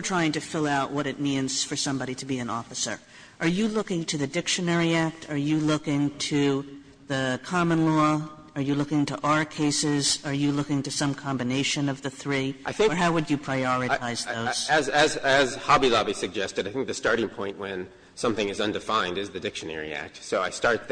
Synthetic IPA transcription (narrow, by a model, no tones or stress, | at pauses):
ə˞tʰɹ̥aɪɪ̃ŋtɨfɪlˠaʊʔ̚wʌɾɨt̚mĩnz̥fə˞sʌ̃mbɑɾiɾɨbiɨ̃nɔfɨsə̰˞ | ʔə˞jɨlʊkɪ̃ŋtʰɨðɨdɪkʃɨnɛɹiæk̚tʰə˞jɨlʊkɪ̃ŋtʰɨ | ðɨkʰɑmə̃nlɔ | ə˞jɨlʊkɪ̃ŋtʰəʔə˞kʰeɪsɪzə˞jɨlʊkɪ̃ŋtɨsʌ̃mkʰɑ̃mbɨneɪʃɨ̃nʌvðɨθɹiʔaɪθɪ̃ŋə˞ɦaʊwɨd͡ʒɨpʰɹ̥aɪɔɹɨtʰaɪz̥ðoʊz̥zɨzɨz̥hɑbilɑbisɨɡ̚d͡ʒɛstɨɾaɪθɪ̃ŋk̚ðɨstɑɹɾɪ̃ŋpʰɔ̃ɪ̃nʔwɨ̃n | sʌ̃mθɪ̃ŋɨzʌ̃ndɨfãɪ̃ndɨzðɨdɪkʃɨnɛ̰ɹḭæ̰k̚tsoʊaɪstɑɹt̪̚ð